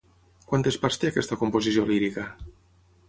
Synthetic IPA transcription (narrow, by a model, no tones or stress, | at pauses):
kwant̪espaɾst̪eakɛst̪akompozisjoliɾika